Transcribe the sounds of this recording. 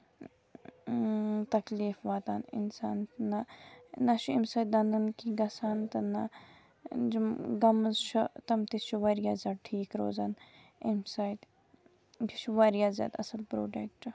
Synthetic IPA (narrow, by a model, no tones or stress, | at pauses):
t̪ɐkliːfʋaːt̪aːnɪ̰nsaːnnɐnɐʃʰuimsaːjt̪̚d̪ɐnd̪ɐnkiɡɐsaːnt̪ɐnɐ | d͡ʒumɡɐmɐzt͡ʃʰut̪ɐmt̪it͡ʃʰuʋɐɾijaːzʲaːd̪̚ʈʰiːkɾoːzaːn | imsaːjt̪ | kiʃʰuʋaɾijaːzja̰ːd̪ɐsɐlpɾoːɖek̚ʈ